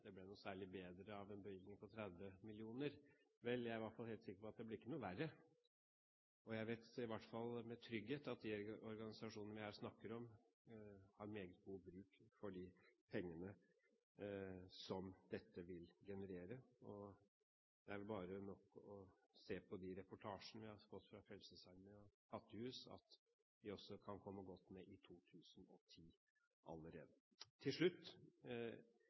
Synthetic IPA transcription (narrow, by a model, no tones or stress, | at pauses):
d̪̥ɛblɛnuːsæːɭɪbeːd̪ɾəɑʋɛnbəʏɡ̪ɪŋpʰɔt̪ʰɾæd̪ʋəmɪlɪuːnəɾ | ʋɛljæɪɾɪʋɑʈfɑlheːlt̪sɪkːəɾpɔɑt̪̚d̪ɛblɪɾɪkːənuːʋærːə | ɔjæɪʋeːt̪ɪʋɑʈːfɑlːmɛt̪ʰɾʏɡheːt̪ɑt̪̚d̪ɪɔɾɡɑnɪsɑʂuːnənəʋɪhæːɾsnɑkːəɾɔm | hɑɾmeːɡət̪̚ɡuːbɾʉːkfɔɖɪpʰɛŋːənə | sɔmd̪ɛt̪ːəʋɪlɡɛnəɾeːɾəɔ | d̪̥ɛæɾʋɛlbɑːɾənɔkːɔseːpʰɔd̪ɪɾɛpʊʈʰɑːʂnəʋɪhɑɾfɔt̪ːfɾɑfɛlsəsɑɾməɔkʰɑt̪ːəhʉːsɑ̰t̪ | ʋ̪ɪɔsːɔkʰɑnkʰɔmːəɡɔt̪ːmɛʔɪt̪ʰuːt̪ʰʉːsnɔt̪ʰiː | ʔɑ̰lːəɾḛːd̪ət̪ʰːɪlʂɭʉt̪ː